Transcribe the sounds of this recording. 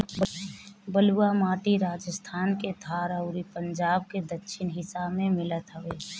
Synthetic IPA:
bəluamaːʈiɾaːd͡ʒəst̪ʰaːnket̪ʰaːɾəʊɾipəɲd͡ʒaːb̚ked̪əkʃʰɪnɦɪsamemɪlət̪ɦəʋeː

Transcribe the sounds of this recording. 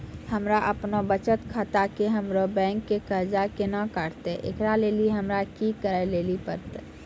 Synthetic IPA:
həmɾaʔəpnobət͡ʃət̪kʰat̪akeɦəmɾobɛ̃ːŋkːekəɾd͡ʒakenakaːɾt̪eʔḛkɾaleːliɦəmɾakikəɾeleːlipəɾt̪

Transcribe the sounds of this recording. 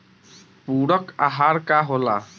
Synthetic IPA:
puːɽɔkaɦaɾkaɦola

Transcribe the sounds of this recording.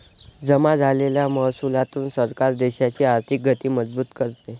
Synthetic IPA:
d͡zəmad͡zʱaleljaməɦsulat̪uːnsəɾkaɾd̪eɕat͡ɕiːaɾt̪ʰik̚ɡʱət̪iːməd͡zbuːt̪kəɾt̪e

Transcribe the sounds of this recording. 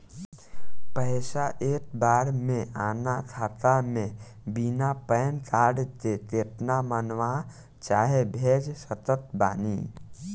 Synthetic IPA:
pəɪsaʔeːk̚baːɾmẽaːnakʰaːt̪amẽ | binapəːnt̪ʰaːɽt̪et̪eːʈ̪namənʋaː | t͡ʃaːɦebʱeːd͡ʒsət̪ət̪̚ba̰ːniː

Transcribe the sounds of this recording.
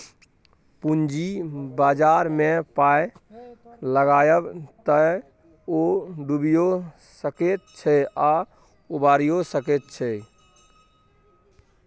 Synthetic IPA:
pund͡ʒibad͡ʒaɾmepaj | ləɡajəbt̪ə | oɖubijo | səket̪̚t͡ʃʰɛa | ubaɾijosəket̪̚t͡ʃʰɛ

